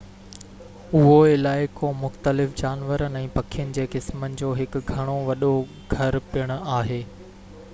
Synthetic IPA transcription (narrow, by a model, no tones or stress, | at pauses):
ʊɦoɪlaːɪkõːmʊxt̪əlɪfd͡ʑaːnʋəɾənɪ̆ɛ̃ːpɐkʰijənɪ̆d͡ʑeːkɪsmənɪ̆d͡ʑoːɦɪkɡʱɐɽ̃oʋɐɗo | ɡʱɐɾpɪjəɽ̃ʊ̆aːɦeː